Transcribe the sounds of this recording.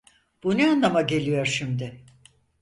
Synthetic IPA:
b̥unɛanlˠamaɟe̞lʲijo̞ɾʃimd̪ɪ

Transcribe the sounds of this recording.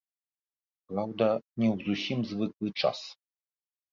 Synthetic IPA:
pɾawd̪ɐnʲɛwzusʲimzvɨklˠɨt͡ʂa̰s

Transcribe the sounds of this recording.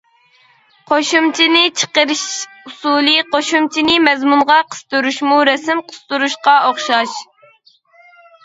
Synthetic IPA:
qʰoʃumt͡ʃʰinɪt͡ʃʰə̥qəɾɨʃ | usulˠɨqoʃumt͡ʃʰinɪmɛzmunʁɑqʰə̥st̪uɾuʃmuɾɛsɪmqʰə̥st̪uɾuʃqɑoχʃɑʃ

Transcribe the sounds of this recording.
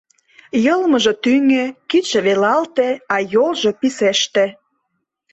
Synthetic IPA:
jəlməʒɤ̆t̪yŋøkit͡ɕĕβelɑlt̪ĕɑjolʒɤpiseʃt̪e

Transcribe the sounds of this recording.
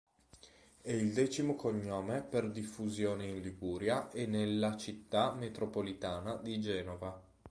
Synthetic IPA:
ɛild̪ɛːt͡ʃimokoɲːoːmeperd̪ifːuzjoːneinlibuːɾjaʔenːelːat͡ʃit̪ːamet̪ɾopolit̪aːnad̪id͡ʒɛːnova

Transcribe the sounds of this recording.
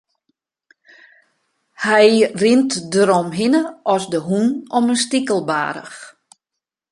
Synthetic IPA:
hɛjrɪntdəɾɔmɦɪnəɔsdəɦunɔmənstikəlˠba̰ːɾə̰x

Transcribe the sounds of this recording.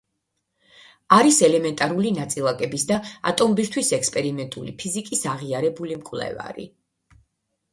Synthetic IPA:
aɾisɛlɛmɛnt̪ʼaɾulinat̪sʼilˠakʼɛbisd̪aa̰t̪ʼɔmbist̪ʰwisɛkspʼɛɾimɛnt̪ʼulḭpʰizikʼisaʁiaɾɛbulimkʼvlɛ̰va̰ɾḭ

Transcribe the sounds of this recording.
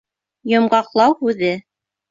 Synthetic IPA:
jŏmɢɑqlˠɑwhʉðɘ

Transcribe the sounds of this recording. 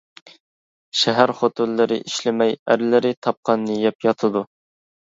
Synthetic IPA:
ʃɛɦæɾχot̪ʰulːɨɾɪ̰ʔiʃlɪmɛjæɾlɪɾɪt̪ʰɑp̚qʰɑnːɨjɛpjɑt̪ʰɨd̪u

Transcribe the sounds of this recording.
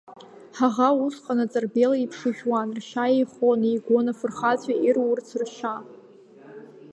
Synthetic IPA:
ħaʁausqʼanat͡sʼarbelaipʰʂɨʒᶣwanrʃajejχonijɡʷonafɨrχat͡ɕʷʰʼaʔirwʊrt͡sʰrʃa

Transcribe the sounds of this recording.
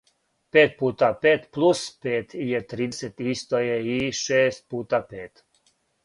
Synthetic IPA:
peːt̪̚puːt̪apeːt̪plˠuspeːt̪ijet̪ɾiset̪ist̪ojeiʃeːst̪̚puːt̪apeːt̪

